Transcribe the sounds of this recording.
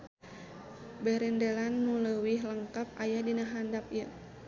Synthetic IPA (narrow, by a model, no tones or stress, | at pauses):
bɛɾɛndelanːuləwiɦləŋkap̚ajadinaɦandap̚jə